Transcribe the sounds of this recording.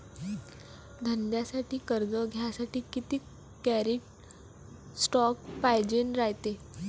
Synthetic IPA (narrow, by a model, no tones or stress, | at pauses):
d̪ʱənd̪jasaʈiːkəɾd͡zɔɡʱjasaʈʰiːkit̪iː | kæɾiːʈ | sʈɔk̚pajd͡ʑenɾajt̪e